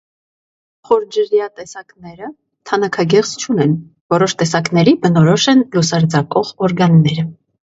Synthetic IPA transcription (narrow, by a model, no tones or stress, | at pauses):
χɔɾd͡ʒəɾjɑt̪ɛsɑknɛɾə | t̪ʰɑnɑkʰɑɡɛʁt͡st͡ʃʰunɛn | vɔɾɔʃt̪ɛsɑknɛɾibənɔɾɔʃɛnlusɑɾd͡zɑkɔʁɔɾɡɑnːɛɾə